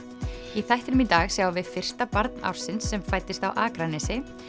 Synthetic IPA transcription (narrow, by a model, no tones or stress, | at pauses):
iθajht̪ɪɾʏmit̪aɣsjaːwavɪðfɪr̥st̪apaɾt̪nʔa̰wɾ̥sɪnsːɛmfajt̪ɪst̪awʔaːkɾanɛsɪ